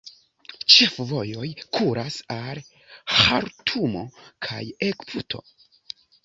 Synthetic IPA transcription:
t͡ʃe̞fvo̞jo̞jkʰuɾasal | haɾtʰumo̞̰kʰa̰je̞kpʰutʰo̞̰

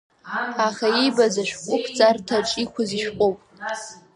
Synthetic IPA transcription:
aχaijbazaʃᶣkʷʼʊpʰt͡sʼartʰaʈ͡ʂʼikʷʰʊziʃᶣqʷʼowpʼ

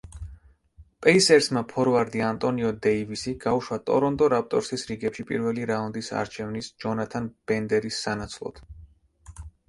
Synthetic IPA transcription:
pʼɛisɛɾsmapʰɔɾɔvaɾd̪iant̪ʼɔniɔd̪ɛivisiɡ̥auʃwat̪ʼɔ̰ɾɔnt̪ʼɔɾap̚t̪ʼɔɾsisɾiɡɛpʃipʼḭɾvɛliɾaund̪isa̰ɾt͡ʃʰɛvnisd͡ʒɔnat̪ʰanb̥ɛnd̪ɛɾisːanat̪sʰlˠɔ̰t̪ʰ

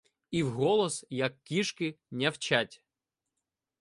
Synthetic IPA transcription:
iwɦɔlˠɔsjɐkːʲiʃkɪ | nʲɐwt͡ʃatʲ

